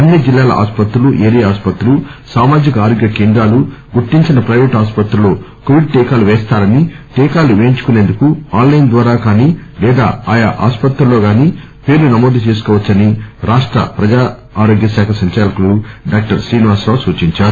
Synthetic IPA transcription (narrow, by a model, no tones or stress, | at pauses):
ɐnːid͡ʒilːaːlɐ̰ʔa̰ːspɐt̪ɾuluʔeːɾijaːspɐt̪ɾɐlusaːmaːd͡ʒikɐaːɾoːɡjɐkeːnd̪ɾaːluɡuʈːiɲt͡ʃinɐpɾɐjʋeːʈaːspɐt̪ɾuloː | koʋiɖ̚ʈɛːkaːluʋɛːst̪aːɾɐniʈɛːkaːluʋeːɲt͡ʃu̥kune̞ːnd̪ukuaːnlɐjnd̪ʋaːɾaːkaːniːlɛːd̪a̰ːaːjaʔa̰ːspɐt̪ɾulːo̞ːɡaːniː | pe̞ːɾlunɐmoːd̪ʱit͡ʃeːs̬u̥kɔːʋɐt͡ʃːɐniɾaːʂʈɾɐ̰pɾɐd͡ʒaː | aːɾo̞ːɡjɐsaːkʰɐsɐɲt͡ʃaːlɐkuluɖaːk̚ʈɐɾsɾiːniʋaːsɾaːʋsuːt͡ʃiɲt͡ʃaːɾu